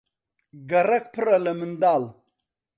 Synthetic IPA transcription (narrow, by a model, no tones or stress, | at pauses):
ɡɐɾɐk̚pʰɨɾɐlɐmɨnd̪aːl